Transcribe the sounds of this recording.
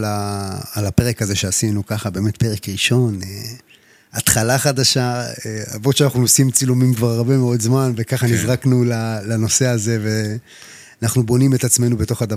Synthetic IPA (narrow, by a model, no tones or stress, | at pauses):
laːlape̞ʁekaze̞ʃeasinukaχabe̞ːme̞tpe̞ʁekʁiʃo̞n | at̪χalaχad̪aʃaea̰vot̪ʃeanaχnuosimt͡silumimkvaʁaʁbe̞meo̞dzmanve̞kaχanizʁaknulalano̞se̞aze̞ve̞ | anaχnubo̞nime̞t̪at͡sme̞nube̞to̞χad̪a